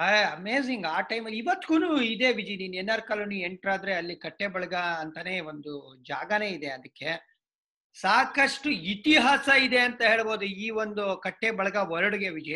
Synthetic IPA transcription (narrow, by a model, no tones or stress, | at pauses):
ɦɐɐmeːziŋɡaːʈɐjmɐlːiiʋɐt̪ːiɡuːnuːid̪e̞ʋid͡ʒiniːneːnːaːɾkaːlonieɳʈɾaːd̪ɐɾeɐlːikɐʈːebɐɭɐɡaɐnt̪ɐne̞ond̪ud͡ʒa̰ːɡɐne̞ːid̪eɐd̪ɐkːe̞ | saːkɐʂʈuit̪iɦaːsɐid̪e̞ɐnt̪ɐɦe̞ːɭbo̞ːd̪uiːʋond̪ukɐʈːebɐɭɐɡaɔɾɐɽuɡe̞ʋid͡ʒi